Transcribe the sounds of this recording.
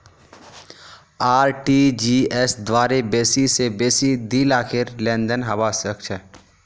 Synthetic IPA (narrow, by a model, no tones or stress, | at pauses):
aːɾʈid͡ʒiesd̪waːɾebeːsisebeːsid̪iːlaːkʰɪɾlɛ̃ːnd̪ənɦɐbaːsəkt͡ʃʰə